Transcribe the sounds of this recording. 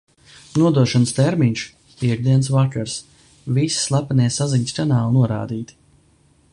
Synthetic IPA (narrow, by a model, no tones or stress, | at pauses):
nuɔd̪uɔʃanst̪ɛɾmiɲʃ | piɛɡ̚d̪iɛns̬vakaɾs | visslˠapanʲɛsaziɲʲskanaːlˠnuɔɾa̰ːd̪iːt̪